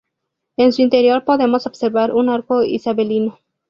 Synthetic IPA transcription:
ensuint̪e̞ɾjo̞ɾpo̞ðe̞mo̞sob̥se̞ɾβaɾʔunaɾkoḭsaβe̞lino

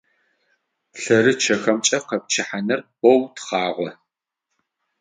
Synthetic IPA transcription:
ɬɐrɨt͡ʃʰɐxɐmt͡ʃʼɐqɐp̚t͡ʃʰɪħanɨrbɔwtχɑːʁʷɔ

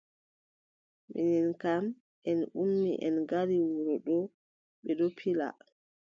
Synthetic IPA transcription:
mḭninkam | ʔɛnumːḭʔɛnɡaɾiwuɾɔɗɔ | ɓɛɗɔpʰila̰

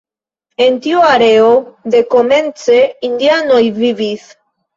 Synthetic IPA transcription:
ent̪ioaɾeoðekomẽnt͡seind̪janojβiβiθ

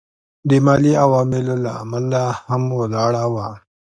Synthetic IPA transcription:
d̪emɑːliawɑmɪlola̰ːmalahamwalɑɽawa

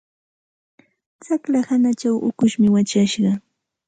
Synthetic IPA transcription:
t͡saklahanat͡ʃawʔʊ̰kʊʃmɪwat͡ʃaʃɢɑ

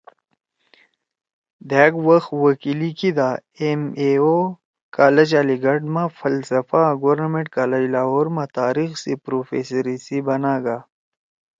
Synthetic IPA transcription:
d̪ɛːɡwɐxwɐkilikid̪a | emeo | kaːlɐd͡ʑaːliɡɐɖmãfɐlsɐfaɡoɾnɐmẽɳʈkaːlɐd͡ʑlaːɦoːɾmãt̪aːɾixsipɾoːfḛsɐɾisibɐnaːɡa

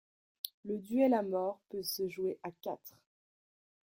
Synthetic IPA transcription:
ləd̪yelamɔʁpøsəʒweʔakʲat̪χ

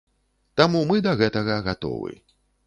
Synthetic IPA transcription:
t̪amumɨd̪ɐɣɛt̪ɐɣɐɣat̪ɔ̰vɨ̰

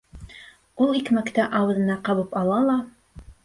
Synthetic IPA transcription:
ulˠikmækt̪æʔɑwɤ̆ðɤ̆nɑqɑβɤpɑlˠɑlˠɑ

